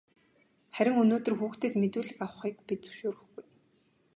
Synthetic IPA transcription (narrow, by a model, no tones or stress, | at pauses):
χæɾʲɪ̆ŋɵnoːt̪ɵ̆rxuːxt̪eːsmet̪uːɮɘ̆xaw̆χiːkpit͡sɵ̥ʃoːɾɵ̆xɡuj